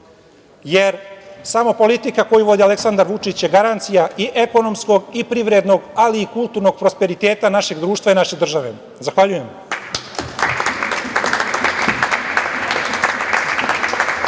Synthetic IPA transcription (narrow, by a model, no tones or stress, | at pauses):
jeɾsamo̞po̞lit̪ikako̞juʋo̞d̪iale̞ksand̪aɾʋut͡ʂit͡ɕjeɡaɾant̪sijaʔiʔe̞ko̞no̞msko̞ɡipɾiʋɾed̪no̞ɡaliːkulˠt̪uɾno̞ɡpɾo̞spe̞ɾit̪e̞ːt̪anaʃe̞ɡd̪ɾuːʃt̪ʋainaʃe̞d̪r̩ʒaʋe̞̰ | zaxʋaʎuje̞m